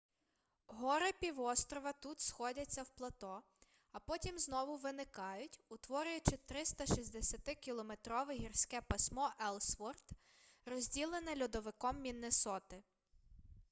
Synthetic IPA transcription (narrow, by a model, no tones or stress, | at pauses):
ɦɔɾɪpʲiʋɔst̪ɾɔʋɐt̪ut̪sxɔdʲɐt͡sʲːɐwplˠɐt̪ɔ | ɐpɔtʲimznɔʋʊʋɪnɪkɑjʊtʲʊt̪ʋɔɾʲʊjʊt͡ʃɪt̪ɾɪst̪ɐʃisʲd̪esʲɐt̪ɪkʲilˠɔmet̪ɾɔʋɪɦʲirsʲkɛpɐsʲmɔʔɛlˠsfɔrt̪ | rɔzʲdʲilˠenɛlʲud̪ɔʋɪkɔmːʲinːɪsɔt̪ɪ